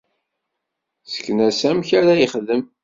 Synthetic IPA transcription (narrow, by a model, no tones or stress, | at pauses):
sə̥kːnæsæmçaɾajiχðəm